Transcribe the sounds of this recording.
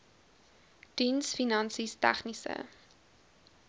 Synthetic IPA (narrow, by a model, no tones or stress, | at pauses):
d̥insfinɐnsistæ̰χnisə̰